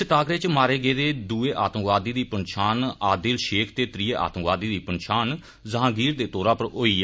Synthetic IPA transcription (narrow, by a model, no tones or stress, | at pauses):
ɪt̪aːkɾeːt͡ʃmaːɾeːɡeːd̪eːd̪uːeːʔaːt̪əmʋaːd̪iːd̪iːpənʃaːnaːd̪ɪlʃeːkʰt̪eːt̪ɾiːeːʔa̰ːt̪əmʋaːd̪iːd̪iːpənʃaːn | zəɦãːɡiːɾd̪eːt̪oːɾãːpəɾɦoːiːɛ